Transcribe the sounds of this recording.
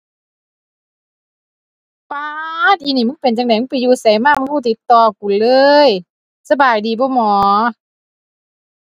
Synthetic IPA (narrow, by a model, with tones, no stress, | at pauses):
paː˧t̪̚ʔiː˧˨niː˧˩mɯ˧˥˨npe˨˩nt͡ɕa˧k̚na˧˦jmɯ˧˥˨pa˨˩juː˧sa˨˦jmaː˧˩˨ma˧˥˨huː˧˩t̪i˨˧˦t̪ːɔː˧˩ku˨˩˨nlɤː˧j | sa˧baː˨˩jdiː˨˩bɔː˧˦mɔː˨˦